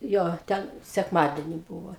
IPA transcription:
ˈjoː ˈtʲɛn sʲɛkˈmɑːdʲɛnʲɪ ˈbuːʋoː

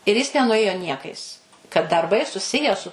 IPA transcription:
ɪr ˈjɪs nʲɛnʊˈeːjoː ˈnʲiɛkɐɪs kɐt dɐrˈbɐɪ sʊˈsʲɪjæː sʊ

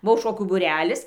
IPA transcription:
ˈbʊʋoː ˈʃoːkʲuː buːˈrʲæːlʲɪs

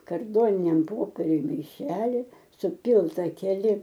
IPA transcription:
kɐrˈdoːnʲɪnʲɛm ˈpoːpʲiɛrʲʊj mɐɪˈʃʲæːlʲɪ sʊˈpʲiːlˠtɐ kʲɛˈlʲɪ

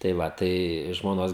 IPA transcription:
tɐɪ ˈʋɐ ˈtɐɪ ʒmoːˈnoːs

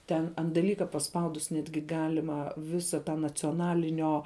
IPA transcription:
ˈtʲɛn ɐnt dɐˈlʲiːkɐ pɐˈspɐʊdʊs ˈnʲæːdʲɡʲɪ ˈɡɑːlʲɪmɐ ˈʋʲɪsɐ tɐ nɐt͡sʲoːˈnɑːlʲɪnʲoː

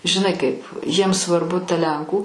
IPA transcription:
ʒʲɪˈnɐɪ kɐɪp jiɛms sʋɐrˈbʊ tɐ ˈlʲɛŋkuː

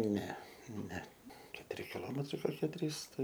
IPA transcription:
ˈnʲɛ ˈnʲɛ kʲɛtʊˈrʲɪ kʲɪˈlˠoːmʲɛtrɐɪ koːˈkʲiɛ ˈtʲrʲiːs ˈtɐɪ

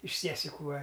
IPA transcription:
ɪʃ ˈsʲiɛsʲɪkʊ ˈʋɐ

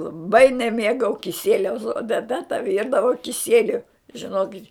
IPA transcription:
lˠɐˈbɐɪ nʲɛˈmʲeːɡɐʊ kʲɪˈsʲiɛlʲɛʊs oː tʲɛˈtɐ tɐ ˈʋʲiːrdɐʋoː kʲɪˈsʲiɛlʲʊ ʒʲɪˈnoːkʲɪtʲ

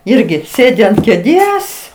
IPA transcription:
ˈɪrʲɡʲɪ ˈsʲeːdʲɪ ɐnt kʲeːˈdʲeːs

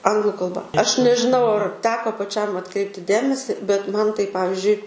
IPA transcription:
ˈɐŋɡlˠʊ kɐlˠˈbɐ ˈɐʃ nʲɛʒʲɪˈnɐʊ ɐr ˈtʲæːkoː pɐˈt͡ʃʲɛm ɐtˈkrʲɛɪpʲtʲɪ ˈdʲeːmʲɛsʲɪ bʲɛt ˈmɐn tɐɪ ˈpɑːʋʲɪzʲd͡ʒʲʊɪ

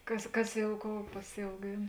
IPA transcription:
ˈkɐs ˈkɐs ˈjɛʊ ˈkoːʊ pɐsʲɛʊˈɡʲeːn

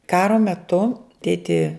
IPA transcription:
ˈkɑːroː mʲɛˈtʊ ˈtʲeːtʲɪ

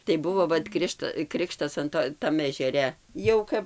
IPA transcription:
tɐɪ ˈbʊʋoː ˈʋɐt ˈkrʲɪʃtɐ ˈkrʲɪkʃtɐs ɐn ˈtoː ˈtɐm ɛʒʲɛˈrʲɛ ˈjɛʊ kɐp

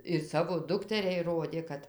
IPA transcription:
ɪr ˈsɑːʋoː ˈdʊktʲɛrʲɛɪ ˈroːdʲeː ˈkɐt

